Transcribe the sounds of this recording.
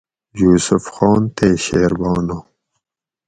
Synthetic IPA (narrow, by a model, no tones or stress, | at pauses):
juːsufxɑːnt̪eːɕeːɾbɑːno